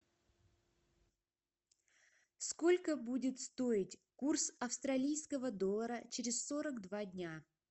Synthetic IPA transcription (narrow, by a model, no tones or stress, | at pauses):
sko̞lʲkəbudʲɪt̪st̪o̞ɪtʲkursɐfst̪ɾɐlʲijskəvəd̪olˠːəɾət͡ɕɪɾʲɪssoɾəɡd̪vadʲnʲa